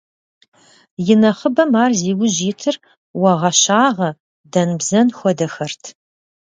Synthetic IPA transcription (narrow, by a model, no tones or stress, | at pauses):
jɪnɐχəbɐmaːrziːɡʊʑiːtʰɨr | wɐʁɐɕaːʁɐ | dɐnbzɐnxʷɔdɐxɐrtʰ